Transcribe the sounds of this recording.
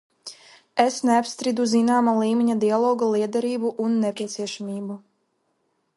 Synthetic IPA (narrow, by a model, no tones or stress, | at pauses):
esneapst̪ɾid̪uzinaːmalˠiːmʲiɲad̪ialˠɔːɡalˠiɛd̪ɛɾiːbuʔunːepʲiɛt̪siɛʃamʲiːbu